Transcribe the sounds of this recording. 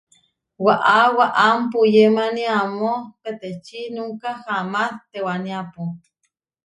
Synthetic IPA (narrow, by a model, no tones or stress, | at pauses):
waʔawaʔampujemaniamopet̪et͡ʃinuŋkahamaθt̪ewaniapo